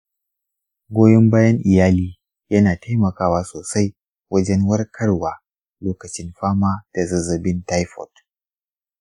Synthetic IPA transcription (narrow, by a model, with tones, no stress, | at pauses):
ɡʷoː˦jɛ˦mbaː˦jɐ˦ŋʔɪ˨jaː˦liː˦ | jɐ˦naː˨ta˦jmɐ˨kaː˦waː˦soː˨sa˦j | wɐ˦d͡ʒɛ˦nwɐ˦rkʰɐ˦rwaː˨ | loː˦kɐ˨t͡ʃɪ˦nɸaː˦maː˦d̥a˨zɐ˨zɐ˨bɪ˦nta˦jɸɔ̰˨t